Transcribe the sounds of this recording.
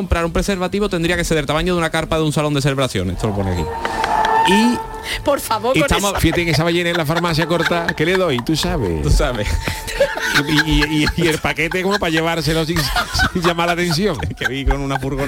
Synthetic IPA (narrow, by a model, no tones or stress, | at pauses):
ompɾaɾumpɾeseɾβat̪iβot̪e̞nd̪ɾiake̞sθe̞ðeɾt̪amaɲoðunakaɾpaðunsalo̞nd̪e̞s̬eleβɾaθjo̰nḛt̪oloponḛa̰kḭ | i | poɾfaβoɾet̪amofihat̪eŋes̬aβeʎenelafaɾmaθjako̞ɾt̪akeleðojt̪usaβḛt̪usaβḛ | iiiielpake̞t̪ekomopaʎeβaɾs̬elos̬isʝamaɾlat̪ẽ̞n̟θjoŋkeβikonunafuɾɣo